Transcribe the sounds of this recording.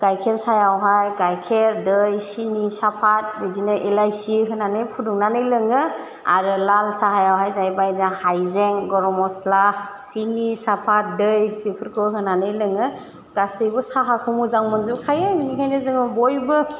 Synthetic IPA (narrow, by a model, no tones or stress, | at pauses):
ɡ̥ajkʰeɾsajawɦajɡajkʰeɾdɯjsinisapʰat̚bidinɯʔelajsiɦɯnanɯjpʰuduŋnanɯjlɯŋɯ | a̰ɾɯlalsaɦajawɦajzajbajahajzeŋɡɔɾɔmɔsla | sinisapʰat̚dɯjpʰepʰɯɾkʰɯɦɯnanɯjlɯŋɯ | ɡ̥asɯjbɔsaɦakʰɯmuzaŋmɯnzɯkʰajɯminikʰajnɯzɯŋɯbɔjbɯ